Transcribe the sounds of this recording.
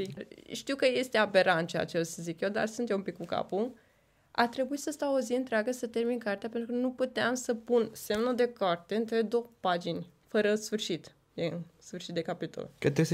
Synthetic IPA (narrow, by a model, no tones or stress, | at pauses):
iʃt̪iwkəje̞st̪e̞abe̞ɾant̪t͡ʃea̰t͡ʃelsəzikjewd̪a̰rsunt̪jeumpikːkuka̰pu | a̰t̪ɾe̞buisəst̪awoziɨnt̪ɾeaɡəsət̪e̞rminkart̪eape̞nt̪ɾukənuput̪eamsəpunse̞mnud̪e̞kart̪e̞ɨnt̪ɾe̞d̪o̞wpad͡ʒinʲ | fəɾəsfɨrʃit̪ | d̪insfɨrʃit̪̚d̪e̞kapit̪o̰lkət̪ɾes